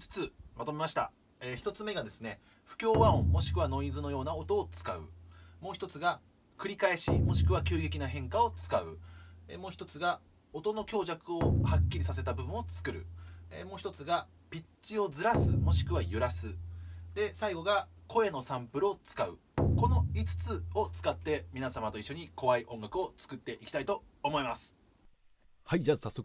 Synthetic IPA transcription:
t͡sɨ̥t͡sɨmat̪o̞me̞maɕi̥t̪a̰ | eçi̥t̪o̞t͡sɨme̞ɡad̪e̞sɨne̞ | ɸɯ̟̥kʲo̞ːβãõmo̞ɕi̥kɯ̟βano̞izɨno̞jo̞ːnaot̪o̞ːt͡sɨ̥kaɯ̟̰mo̞ːçi̥t̪o̞t͡sɨɡa | kɯ̟ɾʲikae̞ɕimo̞ɕi̥kɯ̟β̞akʲɨːɡe̞kʲinaɦẽ̞ŋkao̞t͡sɨ̥kaɯ̟̰ḛmo̞ːçi̥t̪o̞t͡sɨɡa | ot̪o̞no̞kʲo̞ːʑakɯ̟ohakʲːiɾʲisase̞t̪abɯ̟bɯ̟̃ot͡sɨ̥kɯ̟ɾɯ̟emo̞ːçi̥t̪o̞t͡sɨɡa | pʲit͡ɕːio̞d͡zɨɾasɨmo̞ɕi̥kɯ̟βajɯ̟ɾasɨd̪e̞saiɡo̞ɡako̞e̞no̞sãmpɯɾɯo̞t͡sɨ̥kaɯ̟ | ko̞no̞it͡sɨ̥t͡sɨo̞t͡sɨ̥kat̪ːe̞mʲinasamat̪o̞iɕːo̞ɲ̟ikʰo̞βaiʔõ̞ŋɡakɯ̟o̞t͡sɨ̥kɯ̟t̪ːe̞ʔikʲi̥t̪ait̪o̞ːmo̞imasɨ̥ | haid͡ʑasasːo

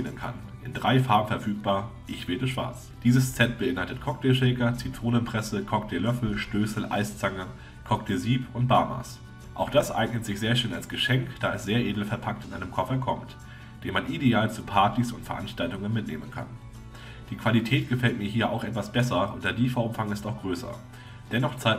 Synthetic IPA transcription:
ɪnə̰nkʰa̰nʔɪndʁaɪfaːɐbm̩fɛɐfyːk̚b̥aːɐʔɪçv̥ɛːtəʃv̥a̰ɐt͡s | d̥iːzəst͡sɛt̚b̥əʔɪnhaltətkʰɔk̚tɛʃɛːkɐt͡sitʁ̥oːnənpʁ̥ɛsəkʰɔk̚tʰɛlœfl̩ʃtøːsl̩ʔa̰ɪst͡saŋə | kʰɔktʰeziːpʊnt̚b̥aːma̰ːs | ʔa̰ʊxd̥asʔa̰ɪɡnətz̥ɪçz̥eːɐʃnɛlalsɡ̥əʃɛŋkd̥aːɛsz̥eːɐʔeːdl̩fɛɐpʰak̚tɪnʔaɪnəmkʰɔfɐkʰɔ̰mt | d̥eːnmanʔideaːlt͡suːpʰaɐtisʊntfɛɐʔanʃtaltʊŋənmɪtnḛːmənkʰa̰n | d̥iːkv̥alitʰɛːt̚ɡ̥əfɛlt̚miːɐɦiːɐʔa̰ʊxʔɛtv̥asb̥ɛsɐʊntd̥eːɐdiːfaʊʔʊmfaŋɪstaʊxɡ̥ʁøːsɐ̰ | d̥ɛnɔχt͡saɪ

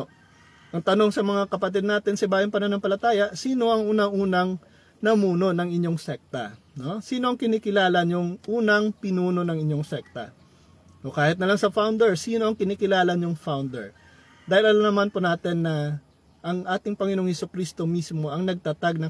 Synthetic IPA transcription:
ʔɐŋt̪ɐno̞ŋsɐmɐŋakɐpɐt̪ɛd̪naːt̪ɪnsɐɪbaːjɐnpɐnɐnɐmpɐlɐt̪aːjɐsiːno̞ʔɐŋʔuːnɐŋʔuːnɐŋ | nɐmuːno̞nɐŋɪɲːo̞ŋsɛk̚t̪ɐ̰ | no̞siːno̞ʔɐŋkɪniːkɪlaːlɐɲjʊŋʔuːnɐŋpɪnuːno̞nɐŋɪɲːo̞ŋsɛk̚t̪ɐ̰ | ʔokaːhɪt̪nɐlaŋsɐfawnd̪ɛɹsiːno̞ʔɐŋkɪniːkɪlaːlɐɲjʊŋfawnd̪ɛ̰ɹ | d̪aːhɪlʔɐlamnɐmanponaːt̪ɪnːɐ | ʔɐŋʔaːt̪ɪŋpɐŋɪno̞ŋhɛsukɾist̪o̞mismo̞ʔɐŋnɐɡ̚t̪ɐt̪aɡ̚nɐ

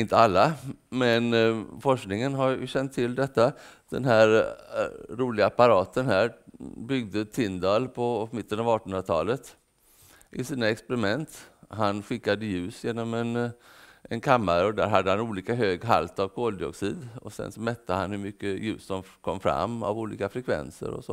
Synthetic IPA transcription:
ɪnt̪əalːamɛnfɔʂknɪŋənɦaɾjɵ̰ɕɛnt̪ʰːɪld̪ɛt̪ːad̪̥ɛ̰nɦæːɾ | ɾuːlɪɡapaɾɑːt̪ənɦæːɾbʏɡ̚d̪ət̪ʰɪnd̪ɑːlpʰɔmɪt̪ːənɑvɑːʈɔnnat̪ʰɑ̰ːlət̪ | ʔɪsiːnaɛkspɛɾɪmɛnt̪ɦanɧɪkːad̪əjʉ̟ːsjeːnɔmɛn | ɛnkʰamːaɾɔd̪æ̰ːɾɦad̪ːəhanuːliːkaɦøːɡɦa̰lt̪avkʰoːld̪ɪɔksiːd̪ɔsɛ̰nsɔmɛt̪ːəhanhɵmʏkːəjʉ̟̰ːsd̪ɔmkʰɔmːfɾa̰mːa̰vuːlḭːkafɾɛkʰvɛ̰nsə̰ɾɔ̰sɔ

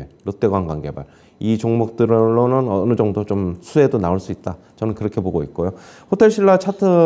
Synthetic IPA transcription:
eɾot͈eɡwaŋɡwanɡe̞ba̰ɭ | it͡ɕoŋmok̚t͈ɯɾɭːonɯnʌnɯd͡ʑʌŋdot͡ɕomsʰue̞donaoɭs͈uit̚t͈a | t͡ɕʌnɯnkɯɾʌkʰe̞boɡoit̚k͈ojoɸotʰe̞ɭɕ͈ʰiɭːat͡ɕʰatʰɯ

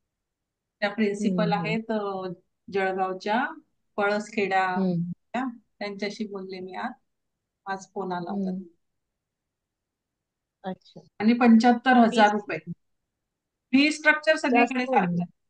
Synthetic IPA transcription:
t̪japɾinsipəlaɦet̪ | d͡ʑəɭɡawt͡ɕja | pəɭəskʰeɽja | jat̪jaɲt͡ɕjaɕiːbollemiat̪̚ | ad͡zponala̰ʋt̪at̪̚ | əɕaaɽ̃ipəɲt͡ɕət̪ːəɾɦəd͡zaɾːupe | biːsʈɾək̚t͡ɕəɾsəɡɭjakəɽesaɾt͡ɕa

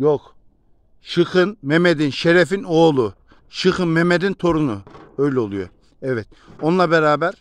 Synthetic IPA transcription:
jok | ʃɯxɯnmemed̪inʃeɾefino̞ːlˠu | ʃɯxɯnmemed̪int̪ʰo̞ɾunuø̞jlʲɛolˠujo̰ɾ | ɛvɛt̪̚ | o̞nlˠabeɾaːbæɾ

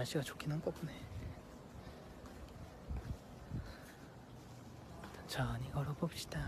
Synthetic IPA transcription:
ɭɕ͈iɡat͡ɕokʰinɯnk͈okune | nt͡ɕʌɲiɡʌɾobopɕ͈i̥d̥a

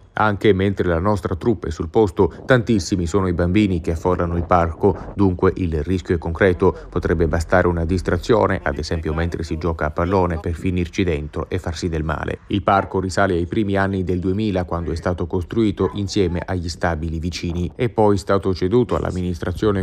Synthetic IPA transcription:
aŋkement̪ɾelanɔst̪ɾat̪ɾupːaɛsulpost̪ot̪ant̪isːimisoːnoibambiːnik̟eafːolːanoilparkod̪uŋkweʔilriskʲjoɛkːoŋkɾɛːt̪opot̪ɾɛbːebast̪aːɾʔeunad̪ist̪ɾat̪sːjo̰ːnḛʔa̰d̪ezɛmpjoment̪ɾʔesid͡ʒɔːkaːpːalːoːneperfinirt͡ʃid̪ɛnt̪ɾoʔefːarsid̪elma̰ːlʔḛilparkoɾisaːleajpɾiːmianːid̪eld̪uemiːlakwand̪oɛst̪aːt̪okost̪ɾuiːt̪oʔinsjɛːmḛʔaʎːist̪aːbilivit͡ʃiːniepːɔjst̪aːt̪ot͡ʃed̪uːt̪oa̰lʔa̰mːinist̪ɾat̪sːjoːne

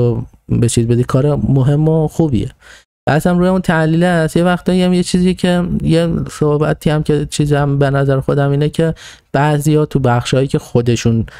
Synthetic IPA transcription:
o | bet͡ʃʰiːzbe̞d̪ikʰɒːɾemoɦe̞mːoxubḭjḛ | b̥æsæmɾuːjeuːnt̪ʰæliːlæsje̞væxt̪dɒːɾiæmjet͡ʃʰiːziːjecʰe̞jesohbæt̪ʰiːæmcʰe̞t͡ʃʰiːzæmbenæzæɾxod̪æmiːnecʰe̞ | b̥æʔzijɒːt̪ʰubæχʃɒːjiːcʰe̞xod̪e̞ʃun

